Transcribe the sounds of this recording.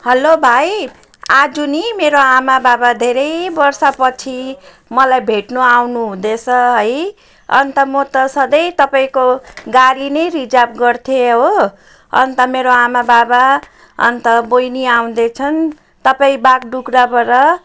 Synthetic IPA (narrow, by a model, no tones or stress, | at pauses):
hʌlobʱaj | ad͡zunimeɾoamababad̪ʱeɾʌjbʌrsapʌt͡sʰi | mʌlajbʱeʈnuawnuɦũd̪et͡sʰʌɦʌj | ʌ̰nt̪ʌmʌt̪ʌsʌd̪ʌjt̪ʌpaĩkoɡaɾinʌjɾid͡zapɡʌrt̪ʰjeɦo | ʌ̰nt̪ʌmeɾoamababa | ʌ̰nt̪ʌbojniaw̃d̪et͡sʰʌn | t̪ʌpaĩbaɡɖukɾabʌɾʌ